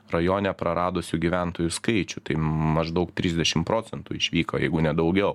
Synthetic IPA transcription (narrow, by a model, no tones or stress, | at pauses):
rɐjoːnʲɛpɾɐɾɑːd̪oːsʲʊɡʲiʋʲænt̪oːjʊskɐɪt͡ʃʲʊt̪ɐɪmɐʒd̪ɐʊkt̪ʲɾʲɪzd̪ʲɛʃʲɪmpɾoːtsʲɛnt̪uːɪʃʲʋʲiːkoːjɛ̰ɪɡʊnʲɛd̪ɐʊɡʲɛʊ